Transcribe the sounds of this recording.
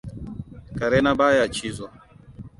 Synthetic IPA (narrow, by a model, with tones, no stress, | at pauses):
ka˨ɾɛ˦na˦ɓa˦ja˨t͡ʃi˦zɔ˨